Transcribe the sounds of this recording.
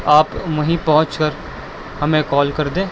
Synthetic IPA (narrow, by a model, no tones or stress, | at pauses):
aːpmɐɦĩpɐɦʊ̃t͡ʃkəɾ | hɐmẽkɔːlkɐɾd̪ẽː